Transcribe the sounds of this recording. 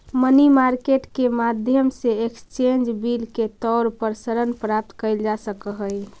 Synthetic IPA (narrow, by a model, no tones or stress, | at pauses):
mənimaɾkeʈkemad̪ʱjəmseekst͡ʃẽnd͡ʒbilket̪ɔɾpəɾsəɾənpɾap̚t̪kəɪld͡ʒasəkəɦəi